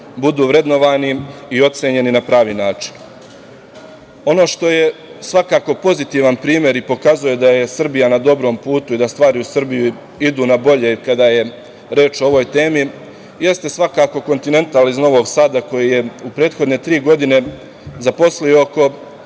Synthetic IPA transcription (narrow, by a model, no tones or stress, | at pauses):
bud̪uːʋɾe̞d̪no̞ʋaːniio̞t̪seɲe̞ninapɾaːʋinaːt͡ʃi̥n | o̞no̞ːʃt̪o̞jesʋakaːko̞po̞zit̪iʋanpɾiːmje̞ɾipo̞kazuje̞d̪aje̞sr̩bijanad̪o̞bɾo̞ːmpuːt̪uid̪ast̪ʋaːɾiusr̩biju | id̪uːnabo̞ʎe̞ikad̪aje | ɾe̞ːt͡ʃooʋojt̪e̞ːmi | je̞st̪e̞sʋakaːko̞ko̞nt̪ine̞nt̪alizno̞ʋo̞ɡsaːd̪ako̞jije̞upɾe̞ːt̪xo̞d̪ne̞t̪ɾiːɡo̞d̪ine̞ | zapo̞slioko̞